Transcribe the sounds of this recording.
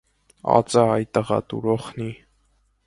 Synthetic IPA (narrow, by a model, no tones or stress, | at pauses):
ɑ̰t͡sʼəɑjt̪əʁɑ̰t̪ṵɾɔχni